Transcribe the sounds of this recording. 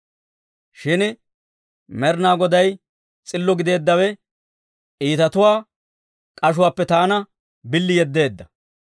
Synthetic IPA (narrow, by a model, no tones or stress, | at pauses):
ʃɪn | mɛɾnaːɡɔd̪ɐj | t͡sʼɪlːɔɡɪd̪e̞ːd̪ːɐwɛ | ʔiːt̪ɐt̪ʊwaː | kʼɐʃ̬ʊwaːpːɛt̪aːnɐ | bɪlːɪjɛd̪ːe̞ːd̪ːɐ